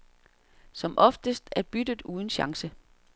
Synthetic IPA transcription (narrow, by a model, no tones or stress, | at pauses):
sɒ̽mʔɒ̽fd̥əsd̥æɐb̥yd̥ð̩ˠuːð̞ˠən̩ɕɑ̈ŋsə